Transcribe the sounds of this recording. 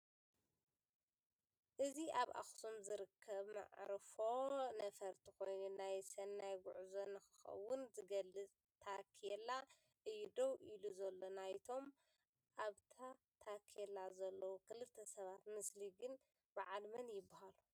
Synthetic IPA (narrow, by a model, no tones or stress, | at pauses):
ʔɨziʔaβʔa̰xsomzɨɾɨkʰːɐβma̰ʕɾɨfo̞nɐfɐɾt̪ʰixo̞jnunajsɐnːajɡʊʕzonɨxɨ̥xɐ̰wʊnzɨɡɐlːɨt͡sʼ | t̪ʰakʰelːa | ʔɨjːud̪owʔiluzɐlːo̞najt̪ʰo̞m | ʔaβt̪ʰa | t̪ʰakʰelːazɐlːɐwukʰɨlɨt̪ʰːɐsɐβat̪mɨsliɡɨn | b̥ɨʕalmɐnjɪbːahalu